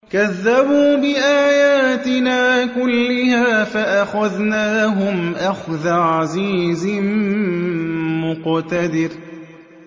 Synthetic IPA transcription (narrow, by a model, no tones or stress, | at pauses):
kaðːabuːbɪʔaːjaːt̪ɪnaːkʊlːɪhaːfaʔaxaðnaːɦʊmʔaxðaʕaziːzɪ | mʊqt̪ad̪ɪɾ